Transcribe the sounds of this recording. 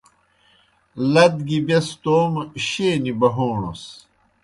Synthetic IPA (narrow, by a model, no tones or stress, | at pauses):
lɐd̪ɡibɐst̪oːmɕeːnibɐɦoːɳo̰s